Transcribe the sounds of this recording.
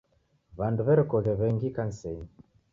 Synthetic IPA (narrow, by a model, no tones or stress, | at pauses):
βanduβɛɾɛkɔɣɛβɛŋɡikan̩sɛin